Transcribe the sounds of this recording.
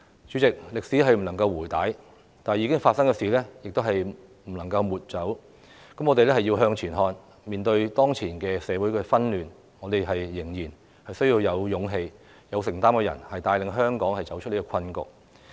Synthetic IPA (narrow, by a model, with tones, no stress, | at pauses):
t͡ʃyː˨˥t͡sɪ˨k̚lɪ˨k̚si˨˥ɦɐ˨jm̩˨˩lɐ˨˩ŋkɐ˧wwuː˨˩jt̪aː˨˥j | t̪aː˨n˨jiː˨˧kɪ˥ŋfaː˧t̚sɐ˥ŋkɛː˧siː˨˩lɛː˥jɪ˨k̚t̪o˥whɐ˨j | m̩˨˩lɐ˨˩ŋkɐ˧wmuː˨˩t̚t͡sɐ˨˥w | kɐ˨˥mŋɔː˨˧t̪e˨jlɛː˥hɐ˨ji˧wɦœː˧ŋt͡ʃʰyː˨˩nɦɔː˨˧n | miː˨˩nt̪ɵ˧ɥt̪ɔː˥ŋt͡sʰiː˨˩nkɛː˧sɛː˨˧wuː˨˥jkɛː˧fɐ˥nlyː˨n | ŋɔː˨˧t̪e˨jɦɐ˨jːɪ˨˩ŋjiː˨˩n | hɐ˨jsɵ˥ɥjiː˧wjɐ˨˧wjʊ˨˧ŋɦe˧j | jɐ˨˧wsɪ˨˩ŋt̪aː˥mkɛː˧jɐ̰˨˩nhɐ˨jt̪aː˧jlɪ˨ŋɦœː˥ŋkɔː˨˥ŋhɐ˨jt͡sɐ˨˥wt͡ʃʰt̚li˥kɔː˧kʰɐ˧nkʊ̰˨k̚